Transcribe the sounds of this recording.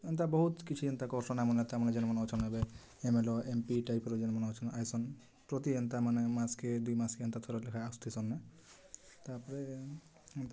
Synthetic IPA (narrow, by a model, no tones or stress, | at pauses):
ent̪abɔɦut̪kit͡ʃʰient̪akɔɾsɔnɛmɔnet̪amaned͡ʒɛnmɔnɔt͡ʃʰɔnɦebe | emelɔempiʈajpeɾod͡ʒenmɔnɔt͡ʃʰɔnʔajsɔn | pɾot̪ient̪amanemasked̪ujmaskeɔnt̪at̪ʰɔɾelekʰaast̪ʰisɔnːa | t̪aɾpɔɾe | ent̪a